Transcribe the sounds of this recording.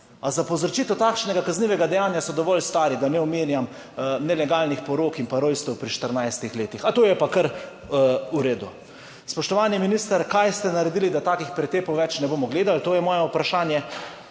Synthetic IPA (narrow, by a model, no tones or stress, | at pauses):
azapɔwzɾt͡ʃiːt̪ɛt̪aːkʃnɛɡakazniːʋɛɡad̪ɛjaːnjasɔd̪ɔʋɔlst̪aːɾid̪anɛɔmeːnjam | nɛlɛɡaːlnixpɔɾoːkimpaɾojst̪ɛwpɾiʃt̪əɾnajst̪ixleːt̪ixat̪oːjɛpakəɾ | uɾeːd̪u | spɔʃt̪ɔʋaːnjiminist̪aɾkajst̪ɛnaɾɛd̪ilid̪at̪aːkixpɾɛt̪eːpowʋɛt͡ʃnɛboːmɔɡleːd̪alt̪oːjɛmɔːjɛupɾaʃaːnjɛ